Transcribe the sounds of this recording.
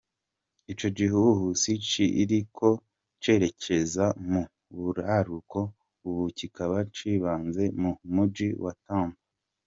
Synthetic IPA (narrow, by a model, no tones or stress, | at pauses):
it͡ʃo̞ɟiɦuuɦusit͡ʃiʔiɾikʰo̞ | t͡ʃe̞ɾe̞cʰe̞zamu | βuɾaɾuko̞ | uβucikaβat͡ʃiːβaːnze̞mumud͡ʒiwʔataːmba